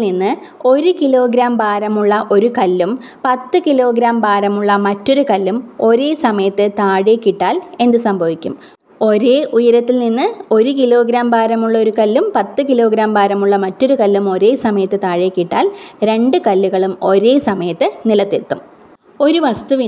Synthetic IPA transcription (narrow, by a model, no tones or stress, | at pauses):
ninːɨo̞ɾukilo̞ːɡɾaːmbaːɾɐmuɭːɐʔo̞ɾukɐlːum | pɐt̪ːɨkilo̞ːɡɾaːmbaːɾɐmuɭːɐmɐtːo̞ɾukɐlːumo̞ɾe̞ːsɐmɐjɐt̪ːɨt̪aːɻekːiʈːaːle̞nd̪ɨsɐmbʱɐʋikʲːum | o̞ɾe̞ːʔujɐɾɐt̪ːilninːɨo̞ɾukilo̞ːɡɾaːmbaːɾɐmuɭːɐo̞ɾukɐlːumpɐt̪ːɨkilo̞ːɡɾaːmbaːɾɐmuɭːɐmɐtːo̞ɾukɐlːumo̞ɾe̞ːsɐmɐjɐt̪ːɨt̪aːɻeːkːiʈːaːlɾe̞ɳɖɨkɐlːuɣɐɭumo̞ɾe̞ːsɐmɐjɐt̪ːɨnilɐt̪ːet̪ːum | o̞ɾuʋɐst̪uʋi